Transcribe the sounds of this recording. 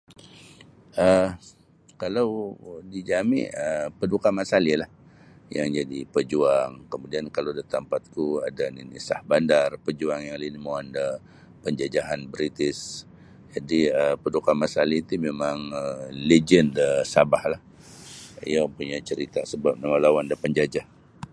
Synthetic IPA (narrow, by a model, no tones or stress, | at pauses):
ʔə | kalawdid͡ʒamḭəpədukamasalilah | jaŋd͡ʒadipəd͡ʒuaŋkəmudiankalawdat̪ampat̪̚kua̰daninisahbandarpəd͡ʒuaŋjaŋlinmoanda | pəɲd͡ʒad͡ʒaɦanbɾit̪ɪs | d͡ʒadiəpədukamasalit̪imemaŋəled͡ʒəndəsabahlah | ḭjapuɲat͡ʃəɾit̪asəbap̚namalawandapəɲd͡ʒad͡ʒah